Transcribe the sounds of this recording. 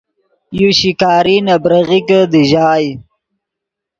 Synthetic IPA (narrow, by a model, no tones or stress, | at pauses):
juɕikɑːɾinabɾəɣikəd̪əʒɑːj